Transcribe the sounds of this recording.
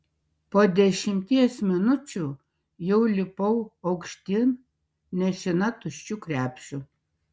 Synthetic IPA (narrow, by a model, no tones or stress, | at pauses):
poːd̪ʲɛʃʲɪmʲt̪ʲiɛsmʲɪnʊt͡ʃʲuː | jɛʊlʲɪpɐʊɐʊkʃʲt̪ʲɪn | nʲɛʃʲɪnɐt̪ʊʃʲt͡ʃʲuːkɾʲæːpʲʃʲʊ